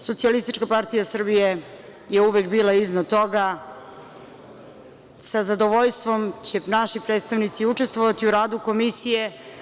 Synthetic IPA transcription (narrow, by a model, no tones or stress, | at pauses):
so̞t̪sialist̪it͡ʃkapaɾt̪ijasr̩bije | jeuʋekbiːlˠaiznad̪̚t̪o̞ɡa | sazad̪o̞ʋoʎst̪ʋo̞mt͡ɕenaʃipɾed̪st̪aʋnit̪siuʈ͡ʂest̪ʋoʋat̪iuɾaːd̪uko̞misije̞